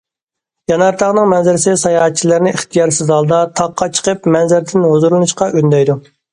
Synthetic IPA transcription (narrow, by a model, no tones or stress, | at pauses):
jɑnɑɾt̪ʰɑʁnɨŋmɛnzɪɾɪsɪsɑjɑɦɛt̪̚t͡ʃʰilɪɾnɪʔɪχt̪ʰijɑɾsɪzɑlˠd̪ɑt̪ʰɑqʰːɑt͡ʃʰə̥qəpmɛnzɪɾɪd̪ʰɪnhozuɾlˠnɨʃqɑʔønd̪ɛjd̪u